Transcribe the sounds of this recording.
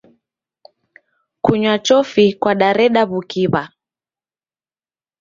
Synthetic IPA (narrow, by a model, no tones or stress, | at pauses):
kuɲwat͡ʃɔfikwaɗaɾɛɗaβukiβa